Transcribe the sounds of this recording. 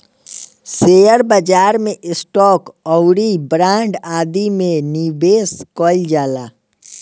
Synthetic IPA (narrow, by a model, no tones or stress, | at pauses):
seːjəɾbəd͡ʒaːɾmẽʔɪsʈɔːkɔwɽibɾãːɳɖaːd̪imẽnibeːskɔːɪld͡ʒaːlaː